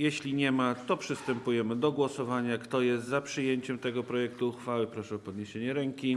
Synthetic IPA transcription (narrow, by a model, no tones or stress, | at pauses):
jɛɕlʲiɲɛmat̪ɔpʂɘst̪ɛmpujɛmɘd̪ɔɡwɔsɔvaɲakt̪ɔjɛst̪zapʂɘjeɲt͡ɕɛmt̪ɛɡɔpɾɔjɛk̚t̪uːxfawɘpɾɔʂɛɔpɔd̪ɲeɕeɲɛɾɛŋkʲi